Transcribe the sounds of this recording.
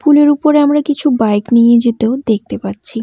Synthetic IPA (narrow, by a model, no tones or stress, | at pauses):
fuleɾupoɾeamɾakit͡ɕʰubajknijed͡ʑet̪eod̪ek̚ʰt̪epatːɕʰi